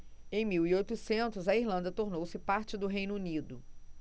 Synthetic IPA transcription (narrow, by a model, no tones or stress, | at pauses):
ẽj̃miwiojt̪ʊsẽnt̪ʊzɐiɾlɐ̃nd̪ɐt̪oɾnowsɪpaɾt͡ʃɪd̪ʊɦejnʊunid̪ʊ